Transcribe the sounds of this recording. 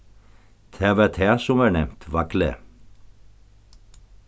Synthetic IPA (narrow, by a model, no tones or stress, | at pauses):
t̪ʰeːʋɛːt̪ʰeːsɔmæːɳɛmt̪ʰʋɑklə̰